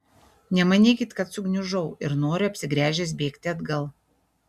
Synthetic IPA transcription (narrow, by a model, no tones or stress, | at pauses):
nʲɛmɐnʲeːkʲɪt̪kɐt̪sʊɡnʲʊʒɐʊɪɾnoːɾʲʊɐpʲsʲɪɡɾʲæːʒʲɛs̬bʲeːkt̪ʲɪɐd̪ɡɐlˠ